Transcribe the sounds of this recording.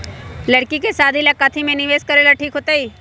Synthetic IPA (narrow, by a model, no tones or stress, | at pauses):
lɐɽkikesaːd̪ʱilakat̪ʰimẽnɪʋeːskɐɾeːlaʈʰiːkɦoːt̪aiː